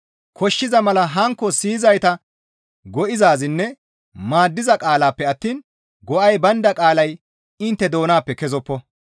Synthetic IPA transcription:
kʰɔʃːɪzɐmɐlɐɦɐŋkːɔsiːzɐjt̪ɐ | ɡɔʔɪzaːzɪnːɛ | maːd̪ːɪzɐkʼaːlaːpːɛɐt̪ːiːn | ɡɔʔɐjbɐnd̪ɐkʼaːlɐj | ɪnt̪ːɛd̪o̞ːnaːpːɛkɛzɔpːɔ

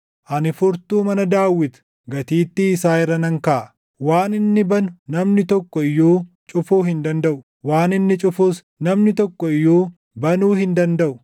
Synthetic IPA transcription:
ʔɐnɪfʊɾt̪uːmɐnɐd̪aːwːɪt̪ʊ̥ | ɡɐt̪iːt̪ːɪːsaːɪrːɐnɐŋkaː | waːnɪnːɪbɐnʊ̥nɐmnɪt̪ɔkːɔɪjoː | t͡ʃʼʊfoːɦɪnd̪ɐnd̪ɐʔʊ | waːnɪnːɪt͡ʃʼʊfuːs | nɐmnɪt̪ɔkːɔɪjoː | bɐnuːhɪnd̪ɐnd̪ɐʔʊ

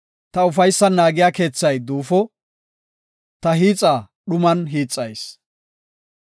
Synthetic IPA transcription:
t̪ɐʊfɐjsːɐnaːɡɪjaːke̞ːt͡sːɐjd̪uːfɔ | t̪ɐɦiːt͡sʼaː | ɗʊmɐnɦiːt͡sʼːɐjs

